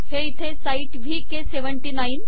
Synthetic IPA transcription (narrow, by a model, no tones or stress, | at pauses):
heit̪ʰesaiʈʋʱikeseʋəɳʈinajin